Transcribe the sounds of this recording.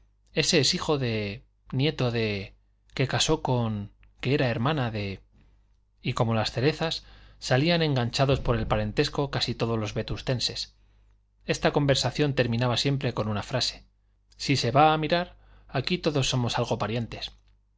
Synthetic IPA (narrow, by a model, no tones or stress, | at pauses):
e̞se̞ːsixo̞ðe̞ | nje̞t̪o̞ðe̞ | ke̞kaso̞ko̞ŋ | ke̞eɾae̞ɾmãnaðe̞ | iko̞mo̞lasθe̞ɾe̞θasːalianẽ̞ŋɡanɲt͡ʃaðo̞spo̞ɾe̞lpaɾe̞nt̪e̞sko̞kasit̪o̞ð̞o̞zlo̞zβe̞t̪ust̪e̞nses | e̞st̪ako̞mbe̞ɾsaθjo̞nt̪e̞ɾmĩnaβasje̞mpɾe̞ko̞nunafɾase̞̥ | sise̞βaːmiɾaɾ | akit̪o̞ðo̞sːo̞mo̞salɣ̞o̞paɾje̞nt̪e̞s